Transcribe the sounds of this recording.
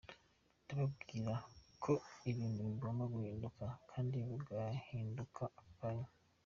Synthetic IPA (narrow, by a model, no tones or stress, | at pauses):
tuɾab̚ɡiːɾakʰo̞iβiːnduβiɡomaɡuhiːndukakʰaːndiβiɡahiːndukʰaapaja